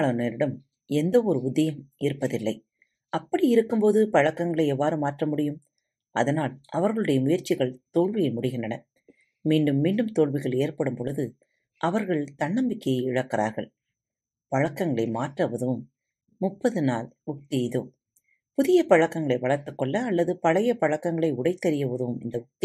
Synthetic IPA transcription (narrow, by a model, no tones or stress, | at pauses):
ɭɐneːɾɪɽɐm | ɛnd̪ɐɔɾɯʊd̪ːɐjɐmɪɾɯpːɐðɪlːɐɪ | ɐpːɐɽiɪɾɯkːɯmpoːðɯpɐɻɐkːɐŋɡɐɭɐɪɛʋːaːɾɯmaːʈrɐmʊɽɪjɯm | ɐ̰ðɐnaːlɐʋɐɾɣɐɭɯɽɐjɐmʊjɐɾt͡ʃːɪɣɐɭt̪oːɭʋɪjɐɪmʊɽɪɣɪnɳdrɐnɐ | miːɳɖɯmːiːɳɖɯmt̪oːɭʋɪɣɐɭeːɾpɐɽɯmpɔɻɯðɯ | ʔɐʋɐɾɣɐɭt̪ɐɳːɐmbɪkːɐjɪɻɐkːɪɾa̰ːɾɣɐɭ | pɐɻɐkːɐŋɡɐɭɐɪmaːʈrɐʋɐðɯʋɯmː | ʊpːɐðɯnaːlʊk̚t̪ɪɪðo̰ː | pʊðɪjɐpɐɻɐkːɐŋɡɐɭɐɪʋɐɭɐɾt̪ɯkːɔɭːɐːlːɐðɯpɐɻɐjɐpɐɻɐkːɐŋɡɐɭɐɪʊɽɐɪt̪ːɐɾɪjɐʋɐðɯʋɯmɪnd̪ɐʊk̚t̪ɪ